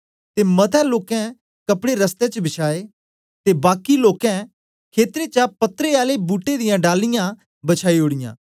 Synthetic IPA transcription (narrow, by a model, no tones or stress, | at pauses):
t̪eːmɐt̪ʰɛloːkɛ̃ | kɐpɽeɾəst̪ɛ̃t͡ʃbɪʃʰaːeː | t̪ebaːkiloːkɛ̃ | kʰeːt̪ɾet͡ʃapɐt̪ːɾeaːlebuːʈːed̪ɪjãɖaːlːɪjã | bət͡ʃʰaːiɦʊɽɪjã̰ː